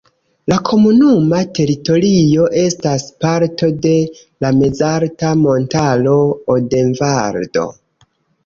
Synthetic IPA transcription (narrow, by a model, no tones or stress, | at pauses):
lakʰo̞munumate̞ɾito̞ɾijo̞ʔe̞staspaɾto̞de̞ | lame̞zaɾtamo̞ntalo̞ːde̞ɱvaɾdo̞̰